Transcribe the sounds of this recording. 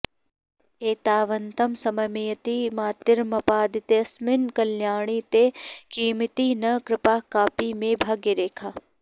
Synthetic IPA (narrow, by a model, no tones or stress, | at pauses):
eːt̪aːʋɐnt̪ɐmsɐmɐmijɐt̪iːmaːt̪ɪɾmɐpaːd̪ɪt̪eɐsmɪnkɐljaːɳ̃iːt̪ekiːmɪt̪iːnɐkɾɪpaːkaːpiːmẽbʱɐɡeɾeːkʰaː